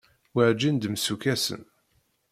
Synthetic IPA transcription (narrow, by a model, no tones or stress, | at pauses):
wəʕd͡ʒind̪msukæsə̰n